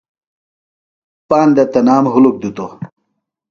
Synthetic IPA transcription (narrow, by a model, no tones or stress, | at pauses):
paːnd̪ɐt̪ɐnaːmɦuluk̚d̪ut̪o